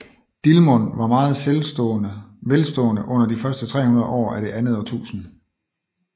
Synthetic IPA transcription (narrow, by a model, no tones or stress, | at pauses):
d̥ilmɔnʋɑ̈mɑ̈ːð̞̩ˠ | ʋelsd̥ɔ̰ːnəʔɔ̽n̰ɐd̥ifɶɐsd̥ət͡sʰʁɛ̰ːhunɐð̞ˠʔɒ̰ːæɾ̥e̝ʔænð̞̩ˠɒt͡sʰṵːsn̩